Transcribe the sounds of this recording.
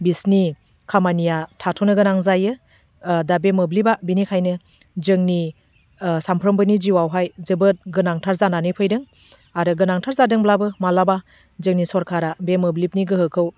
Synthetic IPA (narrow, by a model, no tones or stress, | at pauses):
bisni | kʰamanijatʰatʰunɯɡɯnaŋzajɯ | dabemɯblibabinikʰajnɯ | zɯŋni | sampʰɾɔmbɯnid͡ʒiwawɦajzɯbɯt̚ɡɯnaŋtʰaɾzananɯpʰɯjdɯŋ | aɾɯɡɯnaŋtʰaɾzadɯŋblabɯmalaba | zɯŋnisɔɾkʰaɾabemɯblip̚niɡɯɦɯkʰɯw